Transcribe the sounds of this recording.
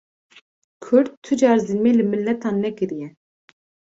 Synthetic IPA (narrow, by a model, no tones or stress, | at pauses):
kʰʊɾt̪t̪ʰːud͡ʒɑːɾzɨnmeːlɨmɨlːɛt̪ʰɑːnːɛkɨɾijɛ